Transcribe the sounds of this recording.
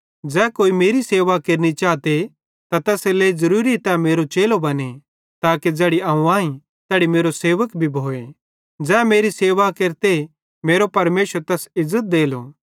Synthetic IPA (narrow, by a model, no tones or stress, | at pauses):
d͡ʒɛːkoːimeːɾiseːʋakeːɾnit͡ʃaːt̪e | t̪at̪ɛːseleːizɐɾuːɾit̪ɛmeːɾot͡ʃeːlobɐne | t̪aːked͡ʒɛːɽiɐũaːĩ | t̪ɛːɽimeːɾoseːʋəkbʱibʱoːe | d͡ʒɛːmeːɾiseːʋakeːɾt̪e | meːɾopɐɾmeːʃəɾt̪ɛːsɪzːət̪̚d̪eːlo̰ː